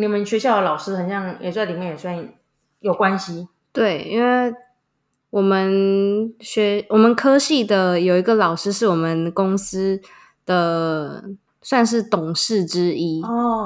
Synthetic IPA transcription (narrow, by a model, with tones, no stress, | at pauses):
ni˨˩mə˦nɕɥɛ˧˥ɕjɑ˥˩ʊə˩lɑ˨˩ʊʂɻ̩˥xə˨˩nɕjɑ˥˩ŋjʔɛ̰˨˩sa˥˩li˨mjɛ˥˨jɛ˨˩swa˥˩n | jo˨˩ʊkwa˦˥nɕi˨ | t̪we˥˩ɪḭ˥nwe˥˩ɪ | wɔ˨˩mə˦n | ɕɥɛ˧˥wɔ˨˩mə˨˦nkʰɤ˥ɕi˥˩d̪ə˩jo˨˩ʊi˧˥ɡə˧lɑ˨˩ʊʂɻ̩˥ʂɻ̩˥˩wɔ˨˩mə˦nkʊ˥ŋsɹ̩˥ | d̪̥ə˨ | swa˥˧nʂ̬ɻ̩˥˩t̪ʊ˨˩ŋʂɻ̩˥˩ʈ͡ʂɻ̩˥i˥ɔ˥˧